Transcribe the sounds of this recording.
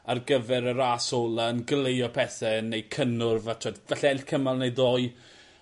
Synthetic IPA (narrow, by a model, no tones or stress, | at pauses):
arɡəvɛɾəɾaːsoːlˠaənɡlejɔpʰɛθɛnejkʰənʊrvatʰoːdvɛɬɛɛlɬkʰəmalˠnejðoːɨ